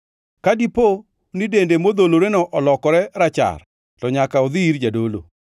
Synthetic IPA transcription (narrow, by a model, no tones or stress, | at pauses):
kadipo | nidendemod̪oloɾenɔʔɔlɔkɔɾɛɾat͡ʃa̰r | tɔɲakaɔðiɾd͡ʒadolo̰